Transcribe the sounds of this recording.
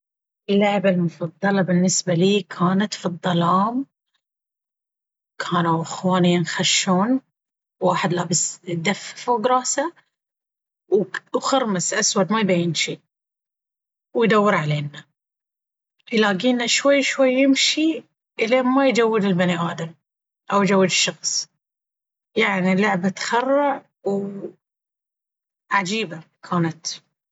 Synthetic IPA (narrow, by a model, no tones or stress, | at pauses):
ʔɪlːaʕbalmʊfɑd̪ˤːɑlɑbɪnːɪsbaliːkʰaːnat̪fid̪ˤːɑlɑːm | kʰaːnawʔaxwaːnijnxaʃːuːn | wwaːħɪd̪laːbɪsd̪afːfuɡɾˤɑːsa | wwxɑɾˤmɪsʔaswad̪majbajɪnʃi | wjd̪awːɪɾʕaleːnːa | jlaːɡiːnaʃwajːʃwajːɪmʃi | ʔleːnmajd͡ʒawːɪd̪ɪlbɪniʔaːd̪am | ʔawjd͡ʒawːɪd̪ɪʃːɑxsˤ | jaʕnilʊʕbat̪xɑrˤːʊʕ | w | ʕad͡ʒiːba | kʰaːnat̪